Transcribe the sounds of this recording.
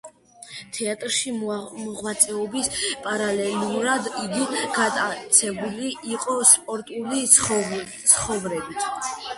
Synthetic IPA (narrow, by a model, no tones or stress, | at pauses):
t̪ʰɛat̪ʼɾʃimɔʁwat̪sʼɛɔbispʼaɾalɛluɾad̪iɡiɡat̪ʼat̪sʰɛbuliʔiqʼɔspʼɔɾt̪ʼuli | sʰχɔvɾɛbit̪ʰ